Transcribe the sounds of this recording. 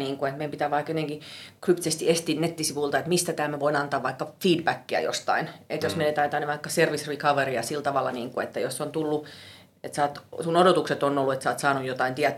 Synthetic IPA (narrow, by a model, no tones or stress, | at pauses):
niːŋkuet̪meimpit̪æːʋɑikjot̪eŋkikrypt̪isest̪iest̪iːnnet̪ːisiʋult̪ɑet̪mist̪æt̪æːmæʋoinɑnt̪ɑːʋʋɑikːɑfiːdbækːiæ̰jo̰st̪ɑ̰inet̪josmeilet̪æyt̪æneʋɑikːɑserʋisrikɑʋeriɑ̰silt̪ɑʋɑlːɑ̰niːŋkuḛt̪ːæjosːont̪ulːu | et̪sɑːt̪sunodot̪ukset̪onolːuet̪sɑːt̪sɑːnujot̪ɑint̪iæt̪